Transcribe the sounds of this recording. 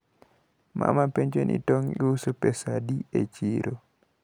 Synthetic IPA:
ma̰mapɛnd͡ʒɔnʔḭtɔŋiusupɛsadiḛt͡ʃiɾɔ

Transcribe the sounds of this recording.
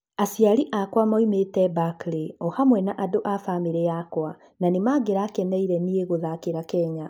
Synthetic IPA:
asjaɾiʔakwamɔimetɛbakleɔhamwɛnaʔadoʔafameɾejakwa | nanemaːɡeɾakɛnɛiɾɛnieɣoðakeɾakɛɲa

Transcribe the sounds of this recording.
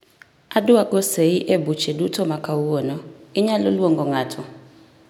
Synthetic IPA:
adʊakoseiʔebut͡ʃedutɔmakauwonɔɪɲaloloŋɡɔŋatʰʊ

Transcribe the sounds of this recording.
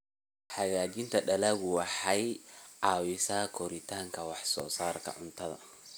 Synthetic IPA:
ħɑɣaːt͡ʃɪnt̪ʰɐɖɐlɐːɣʊwɑħɐjʕɑːwɪsɐkʰɔɾɪt̪ʰaːŋkʰɐwɑħsɔ̰ːsaːrkʰɐ̰ʕʊnt̪ʰɐðɐ̰

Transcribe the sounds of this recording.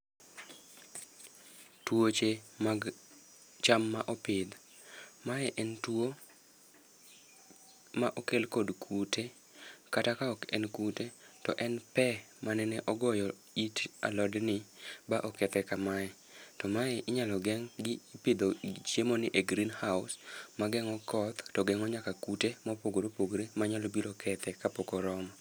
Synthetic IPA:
twot͡ʃemaɡ | t͡ʃamːaʔɔpɪd̪ | maɛʔɛntwo | maʔokelkodkʰutʰe | katakaɔkɛnkutetɔ̰ʔɛnpɛ | manɛnɛʔɔɡɔjɔ | ita̰lɔdnɪbaʔɔkɛt̪ɛkamaɛ | tɔmaɛʔɪɲalɔɡɛŋɡɪpid̪ot͡ʃjemonɪʔeɡɾinhaʊsmaɡɛŋɔkɔt̪tɔɡɛŋɔɲakakutemɔpoɡoɾopoɡɾemaɲalɔbiɾokʰɛt̪ɛkapokɔɾɔma

